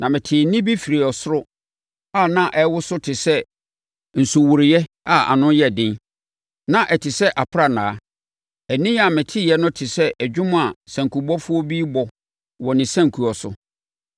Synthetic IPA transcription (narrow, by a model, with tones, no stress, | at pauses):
nʔã˨mɪ̃˨tʰɪ˨nĩ˦bi˦fi˨ɾi˨ɔ˨sʊ˦ɾʊ˦ | a˦˨nã˦ʔɛ˦wʊ˦sʊ˦tʰɪ˨sɛ˦ | n̩˨sʊ˨wʊ˨ɾɪ˨jɛ˦ | a˦˨a̰˨nʊ̃˦jɛ˨dɪ̃˦ | nã˨ʔɛ˨tʰɪ˨sɛ˦ʔa˨pʰɾa˦nã̰ː˨˦ | ɛ˨nĩ˦a˨mɪ̃˨tʰɪ˦˨jɛ˦nʊ̃˦tʰɪ˨sɛ˦ʔæ˨d͡ʑᶣʊ̃˦m˦a˨sã˨ŋkʰu˨bɔ˦fʊ˦ɔ˦bi˦bɔ˨ | wɔ˨nɪ̃˨sæ̃˦ŋkʰu˨ɔ˨sʊ̰˨